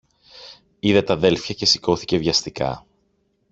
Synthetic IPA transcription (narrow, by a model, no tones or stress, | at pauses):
iðet̪ɐðe̞lfçɐce̞siko̞θice̞vʝɐst̪ikɐ̰